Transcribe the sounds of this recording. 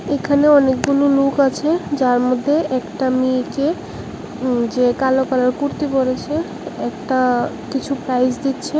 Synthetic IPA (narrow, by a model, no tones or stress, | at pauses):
ekʰaneɔnek̚ɡulolukat͡ɕʰed͡ʑaɾmod̪ʱːeʔɛkʈamike | d͡ʑekalokaloɾkuɾt̪ipoɾet͡ɕʰe | ɛk̚ʈa | kit͡ɕʰupɾajsd̪it̪ːt͡ɕʰe